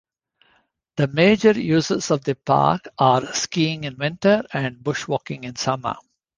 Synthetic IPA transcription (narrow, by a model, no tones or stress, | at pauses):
d̪̥əmeːd͡ʒəɾjuːzəsɔʋd̪əpa̰ːɾkaːɾskiːɪ̃ŋɪ̃nʋɪ̃ɳʈəɾæ̃ɳɖ̚bʊʃʋɔːkɪ̃ŋɪ̃nsʌmə̰